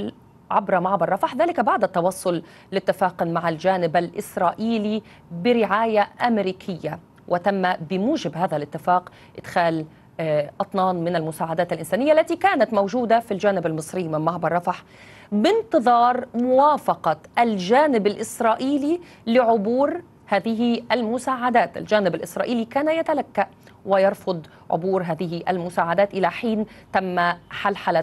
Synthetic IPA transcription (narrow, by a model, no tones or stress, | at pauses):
ʕabɾˤɑmaʕbɑrˤːɑfaħðaːlɪkbaʕd̪at̪ːɑwɑsˤːʊl | lɪt̪ːɪfaːqʊnmaʕald͡ʒaːnɪbalʔɪsɾˤɑːʔiːli | bɪɾɪʕaːjaʔamɾiːkʰɪjːa | wʔɪt̪amːabɪmuːʒɪbhaːðalʔɪt̪ːɪfaːq | ʔɪd̪̥xaːl | ʔɑt̪ˤnɑːnmɪnalmʊsaːʕad̪aːt̪ɪlʔɪnsaːnɪjːaʔlːat̪ikaːnat̪mowʒuːd̪afild͡ʒaːnɪbalmɨsˤɾɪːmɪnmaʕbɑrˤːɑfaħ | bɪnt̪ɨðˤɑːɾˤmʊwaːfɑqɑʔald͡ʒaːnɪbalʔɪsɾˤɑːʔiːli | lɪʕʊbuːɾ | haːðɪɦiʔalmʊsaːʕad̪aːt̪ʔa̰ld͡ʒaːnɪbalʔɪsɾˤɑ̰ːʔiːlikaːnajat̪alakːaʔ | wɪjɑɾˤfʊd̪ˤ | ʕʊ̰buːɾɦaːðɪɦiʔa̰lmʊsaːʕad̪aːt̪ʔɪlaħiːnt̪amːaħalħala